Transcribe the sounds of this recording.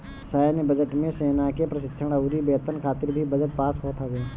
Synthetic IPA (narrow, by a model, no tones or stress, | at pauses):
saːnbəd͡ʒəʈmẽseːnakepɾɐʃɪtːʃʰəɽ̃əɾibeːt̪ənkʰaːt̪ɪɾbʱibɐd͡ʒəʈ̚paːsɦoːt̪ʰaɡː